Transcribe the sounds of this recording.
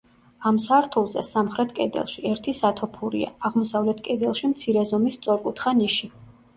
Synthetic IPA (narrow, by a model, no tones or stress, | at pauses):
amsaɾt̪ʰulˠzɛ̰samχɾɛt̪ʰkʼɛd̪ɛ̰lˠʃiɛɾt̪ʰisat̪ʰɔpʰuɾḭa̰ːʁmɔsavlɛt̪ʰkʼɛd̪ɛlˠʃimt̪sʰiɾɛzɔmist̪sʼɔɾkʼut̪ʰχaniʃi